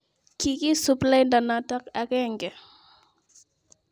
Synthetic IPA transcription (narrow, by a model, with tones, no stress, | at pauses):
kiki˦supla˦nda˨na˨ta˦ka˨kɛ˦ŋɡɛ˨